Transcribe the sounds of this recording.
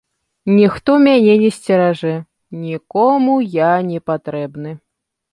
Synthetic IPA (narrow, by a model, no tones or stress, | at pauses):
nʲixt̪ɔmʲanʲɛnʲɛsʲt͡sʲɛɾaʐɛ | nʲikɔmujanʲɛpat̪ɾɛbnɨ